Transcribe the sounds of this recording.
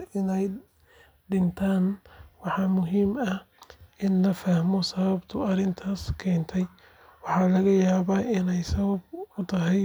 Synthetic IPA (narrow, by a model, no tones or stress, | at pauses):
ɪnɛj | ɖɪnt̪ʰaːnwɑħɑːmʊɦiːmɐhʔɪnlɐfɐhmɔsɐβɐbt̪ʰʊɐɾɪnt̪ʰaːskʰɛːnt̪ʰɛj | wɑħɑːlɐɣɐjaːβaːɪnɛjsɐβɐb̚ʊt̪ʰɐɦɛj